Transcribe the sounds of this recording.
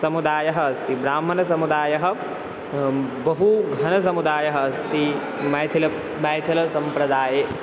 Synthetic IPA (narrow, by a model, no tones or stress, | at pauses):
sɐmud̪aːjɐɦɐːst̪ibɾaːm̤ːɐnɐsɐmud̪aːjɐɦɐ̆ | bɐɦuɡʱɐnɐsɐmud̪aːjɐɦɐɐst̪i | mɐjt̪ʰilɐ | mɐjt̪ʰilɐsɐmpɾɐd̪aːje